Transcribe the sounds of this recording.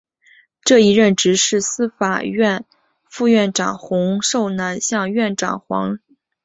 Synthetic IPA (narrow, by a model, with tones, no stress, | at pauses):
ʈ͡ʂɤ˥˩i˧˥ɻə˥˩nʈ͡ʂɻ̩˧˥ʂɻ̩˥˩sɹ̩˥fa˨˩ɥɛ˥˧n | fu˥˧ɥɛ˥˩nʈ͡ʂɑ̰˨˩ŋxʊ˧˥ŋʂo˥˩ʊna˧˥nɕjɑ˥˧ŋɥɛ˥˩nʈ͡ʂɑ̰˨˩ŋxwɑ̰˧˥ŋ